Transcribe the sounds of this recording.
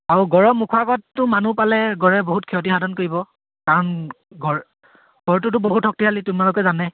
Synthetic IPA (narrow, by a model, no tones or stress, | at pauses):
aɹuɡɔɹɔmːukʰwaɡɔtːʊmanupalɛɡɔɹɛboɦutkʰɛɔt̬ixadʱɔnkoɹibɔ | kaɹɔn | ɡɔɹ | ɡ̥ɔɹtʊtʊboɦutʰɔk̚tiɦalitumalokɛzanɛ